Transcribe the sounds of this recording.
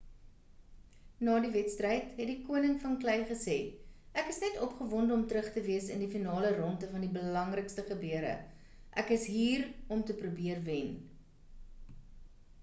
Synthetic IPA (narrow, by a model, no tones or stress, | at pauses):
nɑːdivɛtstrəjtɦɛt̚dikuənəŋfɐnklɛjχəseːʔækəsnɛtɔpχəvɔndəɔmtəɾəχtəviəsəndifinɑːlərɔntəfɐndibəlɐŋrəkstəχəbyəɾə̰ | ʔækəsɦiːrɔmtəprubiərvɛn